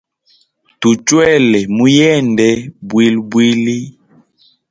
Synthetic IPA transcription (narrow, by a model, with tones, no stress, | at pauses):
tu˨t͡ʃwɛ˦lɛ˨mu˦jɛ˦˨ndɛ˦bwi˦lbwi˦li˦